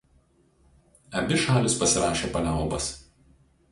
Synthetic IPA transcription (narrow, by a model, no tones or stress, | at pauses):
ɐbʲɪʃɑːlʲɪspɐsʲɪɾɑːʃʲeːpɐlʲɑˑʊbɐs